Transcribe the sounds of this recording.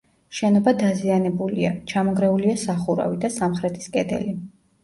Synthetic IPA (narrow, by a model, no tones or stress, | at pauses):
ʃɛnɔbad̪azianɛbulia̰t͡ʃʰamɔɡɾɛuliasaχuɾa̰vid̪asamχɾɛt̪ʰi̥skʼɛd̪ɛ̰li